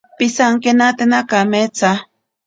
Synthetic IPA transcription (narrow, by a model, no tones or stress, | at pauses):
pisaŋkenat̪enakamet͡sa